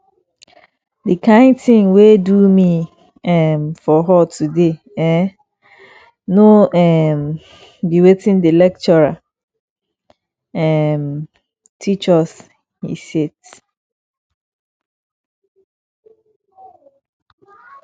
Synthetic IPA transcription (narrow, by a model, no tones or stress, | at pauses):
dekʰãɪ̃ntʰɪ̃ŋwedumĩ | ɛmfɔɦɔtʰude | ɛ | nõɛm | biwetʰĩndelɛk̚t͡ʃɔɹa | ɛm | tʰit͡ʃɔs | hḭsed